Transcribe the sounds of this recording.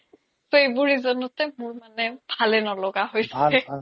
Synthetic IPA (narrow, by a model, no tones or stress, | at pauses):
sejbuɹizɔnɔtɛmʊɹmanɛb̥ʱalɛnɔlɔɡaɦojsɛ